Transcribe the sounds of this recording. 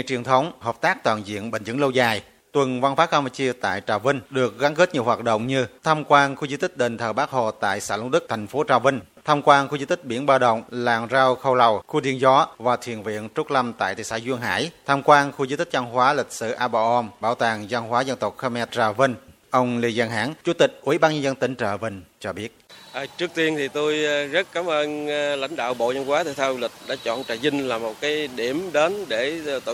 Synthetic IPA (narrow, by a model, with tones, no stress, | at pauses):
t͡ɕi˨˩ənt̪ʰə˨˦wŋ͡mhəː˨˩p̚t̪aː˦˥k̚t̪waː˧˨nzḭ˧˨ənɓḛ˧˨ŋ̟zɨ̰˧˥ŋlə˧wzaː˨˩j | t̪wə˨˩nva˧nfaː˨˦˥ka˧ma˧˩t͡ɕi˧ət̪a̰ː˧˨jt͡ɕaː˨˩wvï˧ŋ̟ɗɨ˨˩ək̚ɣa˨˦ŋke˦˥t̚ɲi˨˩əwɦaː˨˩t̚ɗə̰˧˨wŋ͡mɲɨ˧t̪ʰaː˧mkwaː˧nxu˧zɨ˧˦t̪ï˦˥k̚ɗe˨˩nt̪ʰəː˨˩ɓaː˦˥k̚ho̰˧˨t̪a̰ː˧˨jsa̰ː˧˥lu˧ŋ͡mɗɨ˦˥k̚t̪ʰɛ˨˩jŋ̟fo˨˦t͡ɕaː˨˩wvï˧ŋ̟t̪ʰaː˧mkwaː˧nxu˧zi˧˦t̪ï˦˥k̟̚ɓḭ˧˩ənɓaː˧wɗə̰˧˨wŋ͡mla̰ː˧˨˩ŋzaː˧wxə˧wla˨˩wxu˧ɗḭ˧˩ənzɔ˨˦vaː˨˩t̪ʰwḭ˧˩ənvḭ˧˨ənt͡ɕʊ˦˥k̚la˧mt̪a̰ː˧˨jt̪ʰḭ˧˨˩saː˧˩jzwi˧əŋɦa̰ː˧˥jt̪ʰaː˧mkwaː˧nxu˧zɨː˧˦t̪ï˦˥k̚za˧nɦwaː˨˦lï˨˩k̟̚sɨ̰˧˨ʔaː˧ɓa˧˩ʔɔ˧mɓaː˧˩wt̪aː˨˩ŋzə˧nɦwaː˨˦zə˧nt̪ə˨˩wk͡p̚xə˧mɛ˧t̚zaː˧və˧ŋ | ʔə˧wŋ͡mli˧zaː˧ŋɦa̰ː˧˥ŋt͡ɕu˨˧˦t̪ï˨˩k̟̚ʔḭ˧˩˦ɓaː˧nɲə˧nzə˧nt̪ï˨˦ŋ̟t͡ɕə̰ː˧˨və˧˩ŋ̟t͡ɕɔ˧ɓi˦˥ət̚ʔaː˨˩t͡ɕɨ˦˥ək̚t̪i˧ənt̪ʰi˨˩t̪o˧jzə˦˥t̚kaː˨˦mʔəː˧nla̰˧˥jŋ̟ɗa̰ː˧˨wɓo̰˧˨zə˧nkwaː˨˦t̪ʰe˧˩t̪ʰaː˧wlï˨˩k̟̚ɗa̰ː˧˥t͡ɕɔ̰˧˨nt͡ɕa̰ː˧˨˩zï˧ŋ̟laː˨˩mːo˨˩t̚kaː˨˦jɗi˧˩əmɗe˨˦nɗe˧˩˨